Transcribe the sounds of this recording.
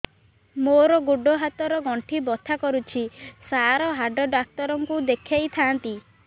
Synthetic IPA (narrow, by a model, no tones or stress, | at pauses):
moɾɔɡuɖɔɦat̪ɔɾɔɡɔɳʈʰibɔt̪ʰakɔɾut͡ʃʰisaɾɔɦaɖɔɖak̚t̪ɔɾɔŋkud̪ekʰjajt̪ʰant̪i